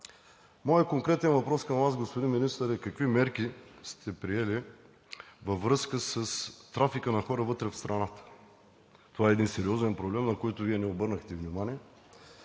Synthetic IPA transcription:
mɔjəkoŋkɾɛt̪ɛnvɐpɾɔskɐmvazɡospʊd̪inminist̪əɾɛkɐkvimɛɾk̟ist̪ʰɛpɾiɛli | vəvɾɤskəsəst̪ɾafikənɐxɔɾəvɤt̪ɾɛfst̪ɾʔɐnat̪ə̥ | t̪ovaɛːd̪insɛɾiɔzɛnpɾoblɛmnɐkɔjt̪ʊviɛnɛobɤɾnəxt̪ɛvnimaniɛ

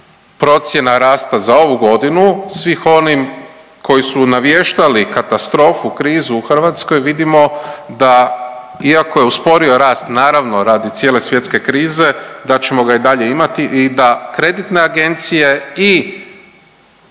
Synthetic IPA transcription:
pɾo̞t̪sje̞naɾaːst̪azao̞ʋuɡo̞d̪inusʋixo̞nim | ko̞jisunaʋjeʃt̪alikat̪ast̪ɾo̞ːfukɾiːzuːxr̩ʋat̪sko̞jʋid̪imo̞d̪a | iako̞je̞uspo̞ɾio̞ɾaːst̪naːɾaʋno̞ɾaːd̪it̪sje̞ːle̞sʋje̞t̪ske̞kɾiːze̞d̪at͡ɕe̞mo̞ɡaid̪aʎe̞imat̪iʔːd̪akɾe̞d̪it̪ne̞aɡe̞nt̪sije̞i

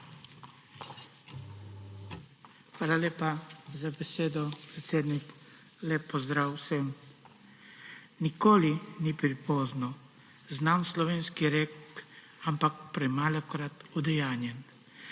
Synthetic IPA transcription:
xʋaːlaleːpazabɛseːd̪ɔpɾɛt̪seːd̪nik | lɛpːɔzd̪ɾaːwsəm | nikoːlinipɾipɔːznɔ | znamslɔʋeːnskiɾek | ampakpɾɛmaːlɔkɾat̪ɔd̪ɛjaːnjɛn

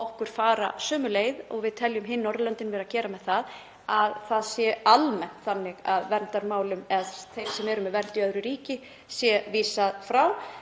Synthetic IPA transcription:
ɔhkʏɾ̥faːɾa̰sœːmʏleːjðɔ̰ɣvɪðt̪ʰɛljʏmɦɪnːɔɾlœnt̪ɪnvɛːɾacɛːɾamɛðθað | aðθaðsjɛalmɛn̥t̪θanːɪɣaðvɛnt̪aɾmaːwlʏmɛðθejmsɛmɛɾʏmɛvɛɾt̪iœðɾʏɾiːcɪ | sjɛviːsaðfɾaw

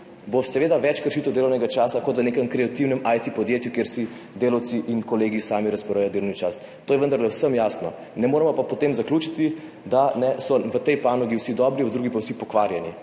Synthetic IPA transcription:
bosɛʋeːd̪aʋɛt͡ʃkəɾʃit̪ɛwd̪eːlɔwnɛɡat͡ʃaːsakɔt̪ʋəneːkəmkɾɛat̪iwnɛmʔajt̪ipɔd̪jeːt̪jukjeɾsi | d̪eːlɐwt̪siʔinkɔleːɡisaːmiɾaspɛɾajɔd̪elɔwnit͡ʃas | t̪oːjɛʋənd̪aɾlɛwsəmjasnɔ | nɛmoːɾɛmɔpapɔt̪emzaklʲjuːt͡ʃit̪i | d̪anɛsɔʋət̪ɛjpaːnɔɡiwsid̪ɔbɾiʋəd̪ɾuːɡipawsipɔkʋaɾjani

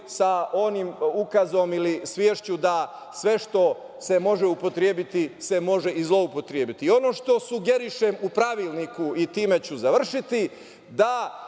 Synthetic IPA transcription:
sao̞nimukazo̞milisʋjeːʃt͡ɕud̪a | sʋe̞ʃt̪o̞ | se̞mo̞ʒe̞upo̞t̪ɾjeːbit̪ise̞mo̞ʒe̞izlˠo̞upot̪ɾjeːbit̪io̞no̞ːʃt̪o̞suɡe̞ɾiʃemupɾaʋiːlˠnikuit̪iːme̞t͡ɕuzaʋr̩ʃit̪i | d̪a

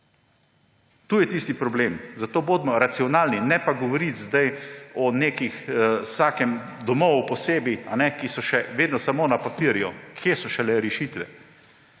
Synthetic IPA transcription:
t̪uːjɛt̪iːst̪ipɾɔbleːmzat̪oːboːd̪mɔɾat̪siɔnaːlninɛpaɡɔʋɔɾit̪zd̪ajɔneːkixsaːkɛmd̪ɔmɔwupɔseːbianɛkisɔʃɛʋeːd̪nɔsamoːnapapiəɾjukʰjeːsɔʃɛlɛɾɛʃiːt̪ʋɛ

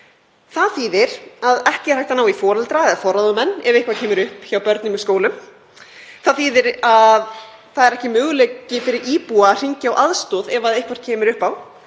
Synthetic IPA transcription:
θaðθiːðɪɾ̥aðɛhcɪɛɾ̥hajht̪anaːwifɔːɾɛlt̪ɾaɛðafɔɾːaðʏmɛnːɛvehkvaɾcʰɛːmɪɾʏhpçaːwpœɾt̪nɪmɪðskoːwlʏm | θaðθiːðɪɾað | θaðɛɾɛhcɪmʏːɣʏleːcɪfɪɾɪɾiːpuar̥iɲcawʔaðst̪ɔːðɛvaðejhkvɔɾ̥cʰɛːmɪɾʏhpaw

